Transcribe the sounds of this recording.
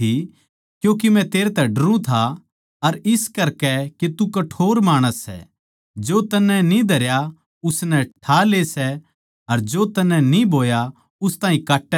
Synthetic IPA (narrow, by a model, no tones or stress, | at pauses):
i | kjũːk̬imɛ̃t̪eːɾet̪ɛɖɐɾũt̪ʰa | ɐɾɪskɐɾkɛket̪ukɐʈʰoːɾmaːɽ̃əsːɛ̰ | d͡ʒoːt̪ɐnːɛnĩd̪ʱɐɾja | ʊsnɛʈʰaleːsɛ | ɐɾd͡ʒoːt̪ɐnɛnibʱoːja | ʊst̪ãːĩkaːʈːɛ